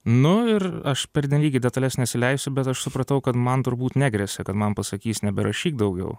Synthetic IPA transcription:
nʊɪɾɐʃpʲɛɾʲdʲɪnʲlʲiːɡʲɪd̪ʲɛt̪ɐlʲɛsnʲɛtsʲɪlʲɛɪsʲʊbʲɛt̪ɐʃsʊpɾɐt̪ɐʊkɐt̪mɐnt̪ʊɾbuːt̪nʲæːɡɾʲɛsʲɛkɐt̪mɐnpɐsɐkʲiːsnʲɛbʲɛɾʔɐʃʲiːk̚d̪ɐʊɡʲɛ̰ʊ

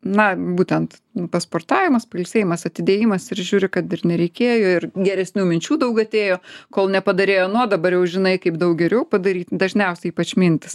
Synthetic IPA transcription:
nɐbuːt̪ʲɛnt̪pɐspoːrt̪ɑːʋʲɪmɐspɐlʲsʲeːjɪmɐsɐt̪ʲɪd̪ʲeːjɪmɐsɪɾʒʲuːɾʲɪkɐt̪ɪrnʲɛɾʲɛɪkʲeːjoːɪrɡʲɛɾʲɛsʲnʲuːmʲɪnʲt͡ʃʲuːd̪ɐʊkɐt̪ʲeːjoːkoːlˠnʲɛpɐd̪ɐɾʲeːjoːnuɔd̪ɐbɐɾjɛʊʒʲɪnɐɪkɐɪpd̪ɐʊk̚ɡʲɛɾʲɛʊpɐd̪ɐɾʲiːt̪d̪ɐʒʲnʲɛʊsʲɛiːpɐt͡ʃʲmʲɪnʲt̪ʲɪs

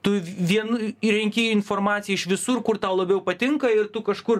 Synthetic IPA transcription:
t̪ʊʋʲiɛnʊɾʲɛŋʲkʲeːjɪnfoːrmɑːt̪sʲɪjɛɪʃʋʲɪsʊrkʊrt̪ɑːlˠɐbʲɛʊpɐt̪ʲɪŋkɐɪrt̪ʊkɐʃkʊr

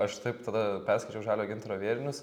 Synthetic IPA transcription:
ɐʃt̪ɐɪpt̪ɐd̪ɐpʲɛɾskɐɪt͡ʃʲɛʊʒɑːlʲoːɡʲɪnt̪ɾoːʋʲiɛɾʲɪnʲʊs

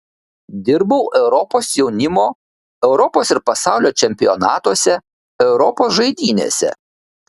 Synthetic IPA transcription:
d̪ʲɪɾbɐʊʔɛʊɾɔpoːsjɛʊnʲɪmoː | ɛʊɾɔpoːsɪɾpɐsɑˑʊlʲoːt͡ʃʲɛmʲpʲɪjɔnɑːt̪uɔsʲɛ | ɛʊɾɔpoːsʒɐɪd̪ʲiːnʲḛːsʲɛ̰

